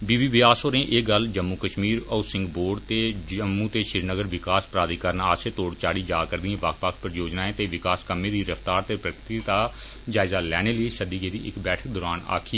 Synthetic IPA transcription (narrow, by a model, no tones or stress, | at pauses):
biːbiːʋɪaːsoːnẽːʔeːɡəld͡ʒəmːuːkəʃmiːɾəsɪ̃ŋɡboːɖt̪eːd͡ʒəmːuːt̪eːʃɪɾnəɡəɾʋɪkaːspɾaːd̪iːkəɾənaːseːt̪oːɽt͡ʃaːɽiːd͡ʒaːkəɾd̪iẽːʋəkʰʋəkʰpɾəjoːd͡ʒnaːẽːt̪eːʋɪkaːskəmeːd̪iːɾəfʰt̪aːɾt̪eːpɾəkɾt̪id̪aː | d͡ʒaːɪzaːlɛːñeːləiːsəd̪iːɡeːd̪iːɪ̰kbɛːʈʰək̚d̪ɔːɾaːna̰ːkʰiː